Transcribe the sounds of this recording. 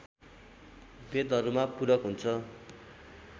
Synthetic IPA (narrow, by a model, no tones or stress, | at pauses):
bed̪ɦʌɾumapuɾʌkɦunt͡sʰʌ